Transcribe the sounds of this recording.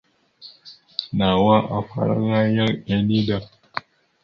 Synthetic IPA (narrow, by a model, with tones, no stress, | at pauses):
na˨wa˦ʔa˨ɸa̰˦ɾa̰˦ɾa˦ja˦ɾɛ˨ni˦da˨